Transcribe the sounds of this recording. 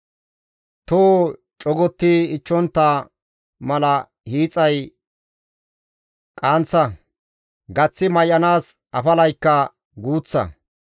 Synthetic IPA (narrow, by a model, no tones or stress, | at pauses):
t̪oː | t͡ʃʼɔɡɔt̪ːiɪt͡ʃːɔnt̪ːa | mɐlɐ | hiːt͡sʼːɐj | kʼaːnt͡sːɐ | ɡɐt͡sːɪmɐjʔɐnaːs | ʔɐfɐlɐjkːɐ | ɡuːt͡sːɐ̰